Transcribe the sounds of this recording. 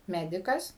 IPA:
ˈmʲæːdʲɪkɐs

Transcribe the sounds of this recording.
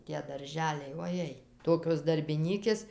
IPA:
tʲiɛ dɐrʲˈʒʲæːlʲɛɪ oːˈjɛɪ ˈtoːkʲoːs dɐrʲbʲɪˈnʲiːkʲeːs

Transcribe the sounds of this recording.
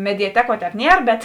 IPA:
mʲɛdʲɛˈtʲæːˌkuɔ ˈtʲɛːp ˈnʲiɛr bʲɛt

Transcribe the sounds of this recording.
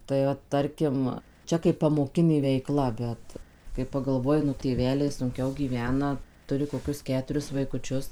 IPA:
tɐɪ ˈʋɐt ˈtɐrʲkʲɪm ˈt͡ʃʲɛ kɐɪp pɐmoːˈkʲɪnʲeː ʋʲɛɪˈklˠɐ ˈbʲɛt kɐɪ pɐɡɐlˠˈʋoːjɪ nʊ tʲeːˈʋʲæːlʲɛɪ sʊŋʲˈkʲɛʊ ɡʲiːˈʋʲæːnɐ ˈtʊrʲɪ koːˈkʲʊs ˈkʲæːtʊrʲɪs ʋɐɪkʊˈt͡ʃʲʊs

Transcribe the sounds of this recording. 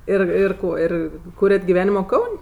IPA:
ˈɪr ɪr ˈkoː ˈɪr ˈkuːrʲɛt ɡʲɪˈʋʲæːnʲɪmoː ˈkɐʊnʲ

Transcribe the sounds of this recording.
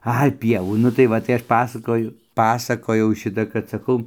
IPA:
ˈɐɪ ˈpʲiɛʋuː ˈnʊ tɐɪ ˈʋɐ tɐɪ ˈɐʃ ˈpɑːsɐkoːjʊ ˈpɑːsɐkoːjɛʊ ˈʃʲɪtɐ kɐt sɐˈkɐʊ

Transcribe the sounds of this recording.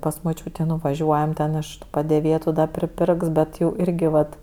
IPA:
pɐs moːˈt͡ʃʲuːtʲeː nʊʋɐˈʒʲuɔjɛm tʲɛn ɪʃ tʊ pɐdʲeːˈʋʲeːtʊ dɐ pʲrʲɪˈpʲɪrks ˈbʲɛt ˈjɛʊ ˈɪrʲɡʲɪ ˈʋɐt

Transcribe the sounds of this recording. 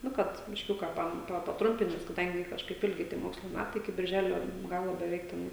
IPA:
ˈnʊ kɐt bʲɪʃʲˈkʲʊkɐ ˈpɐ pɐˈtrʊmʲpʲɪnt ˈnʲɛs kɐˈdɐŋʲɡʲɪ kɐʃˈkɐɪp ɪlʲɡʲɪ tʲiɛ ˈmoːkslˠoː ˈmʲætɐɪ ɪkʲɪ bʲɪrʲˈʒʲæːlʲoː ˈɡɑːlˠoː bʲɛˈʋʲɛɪk tʲɛˈnɐɪ

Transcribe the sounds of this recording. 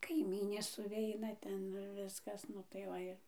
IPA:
kɐɪˈmʲiːnʲeːs sʊˈʋʲɛɪnɐ ˈtʲɛn ɪr ˈʋʲɪskɐs ˈnʊ tɐɪ ˈʋɐ ɪr

